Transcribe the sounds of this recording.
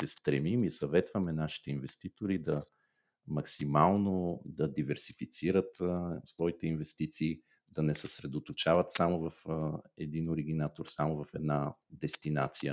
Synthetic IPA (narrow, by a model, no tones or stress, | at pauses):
sɛst̪ɾɛmimisɐvɛt̪vɐmɛnaʃi̥t̪ɛinvɛst̪it̪oɾid̪ɐ | mɐksimalˠnod̪ɐd̪ivɛɾsifit̪siɾət̪svɔit̪ɛinvɛst̪it̪siː | d̪̥ɐnɛsəsɾɛd̪ot̪ot͡ʃavɐt̪samovɐfɛd̪inoɾiɡ̟inat̪oɾsamovɐfɛd̪nad̪ɛst̪ina̰t̪sijə